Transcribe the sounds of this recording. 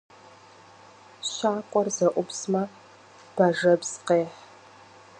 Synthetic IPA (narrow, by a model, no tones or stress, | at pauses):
ɕaːkʷʼɔrzɐʔʷʊbsmɐ | b̥ɐʒɐbz̥qeːħ